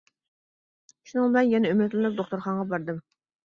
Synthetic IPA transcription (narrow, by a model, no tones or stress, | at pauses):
ʃunɨŋbɪlɛnjɛnɛymɪt̪lɪnɨp̚d̪oχt̪uɾχɑɴʁɑbɑɾd̪ɨm